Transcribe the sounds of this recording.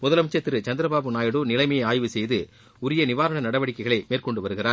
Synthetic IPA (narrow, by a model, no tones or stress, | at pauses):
mʊðɐlɐmt͡ʃːɐt̪ːɪɾɯt͡ʃɐnd̪ɪɾɐbaːbɯnaːjɐɽuːnɪlɐɪmɐjɐɪaːjʋɯsɛjðɯ | ʊɾɪjɐnɪʋaːɾɐɳɐnɐɽɐʋɐɽɪkːɐɪɣɐɭɐɪmeːrkɔɳɖɯʋɐɾɯɣɪraːɾ